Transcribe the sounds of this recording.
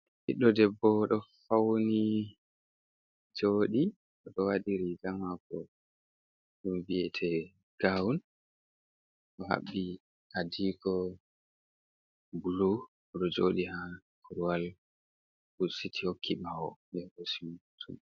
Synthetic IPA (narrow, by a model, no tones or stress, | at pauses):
hiɗːɔdɛbːɔɗɔfawni | d͡ʒoːɗi | ʔɔɗɔwaɗiɾiɡamakɔ | ɗumbiɛtʰɛ | ɡ̥awun | ʔɔɦa̰ɓːi | hadiːkɔ | bulu | ɗɔd͡ʒoɗiha | kʰuɾuwal | busitʰihokʰːiɓawɔdɛɗɔsitʰṵm